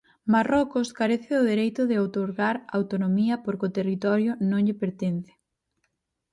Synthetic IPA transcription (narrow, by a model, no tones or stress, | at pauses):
marɔkʊskaɾeθɪʊðeɾejt̪ʊðɪawt̪oɾɣaɾaawt̪onomiɐpoɾkot̪erit̪ɔɾjʊnõŋʎɪpeɾt̪enθɪ̥